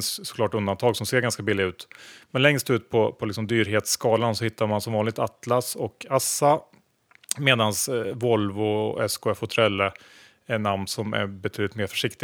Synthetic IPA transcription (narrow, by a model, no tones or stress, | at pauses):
ssɔ̥klɑːʈɵnd̪ant̪ʰɑːɡsɔmseːɾɡanskabɪlːɪɡʉ̟ːt̪mɛnlɛŋst̪ʉ̟ːt̪̚pʰɔpʰɔlɪksɔmd̪yːɾɦeːt̪skɑːlansɔhɪt̪ʰːaɾmansɔmvɑːnlɪɡ̚t̪at̪ːlasɔkʰasːa | meːd̪ansvɔlvɔ̰ɛ̰skʊɛfhʊt̪ʰɾɛlːə | ɛnːamnsɔmæ̰ɾbɛt̪ʰyːd̪lɪt̪meːɾfœ̥ʂɪk̚t̪ɪ